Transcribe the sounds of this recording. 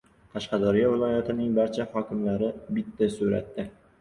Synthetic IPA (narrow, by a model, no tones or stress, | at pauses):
t̪ʰaʃqɑd̪ɒɾɪjɒvɪlˠɒjat̪ʰɪnɪŋbaɾt͡ʃʰahɒkʲʰɪmlaɾɪbɪt̪ʰːasʊɾa̰t̪ːɪ